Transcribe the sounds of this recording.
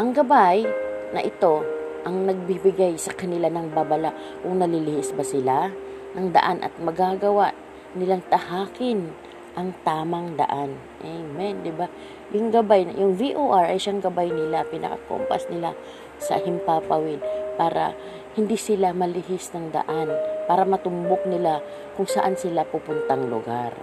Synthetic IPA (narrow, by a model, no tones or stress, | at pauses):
ʔɐŋɡɐbajnɐʔɪt̪o̞ʔɐŋnɐɡ̚bibɪɡajsɐkɐnɪlanɐŋbabɐlaʔ | kʊŋnɐlɪlɪhɪsbɐsɪlanɐŋd̪ɐ̰ʔanʔɐ̰t̪̚mɐɡaɡɐwaʔ | nɪlaŋt̪ɐhaːkɪn | ʔɐŋt̪aːmɐŋd̪ɐ̰ʔan | ʔɛjmɛnd̪ɪba | jʊŋɡɐbajjʊŋviʔoːʔaɹʔɐjʃaŋɡɐbajnɪlapɪnɐ̰kɐ̰ko̰mpɐ̰snɪla | sɐ̰hɪmpapɐwɪd̪̚paːɾɐ̰ | hɪnd̪isɪlamɐlɪhɪsnɐŋd̪ɐ̰ʔanpaːɾɐmɐt̪ʊmbok̚nɪla | kʊŋsɐʔansɪlapupʊnt̪aŋlʊ̰ɡaɾ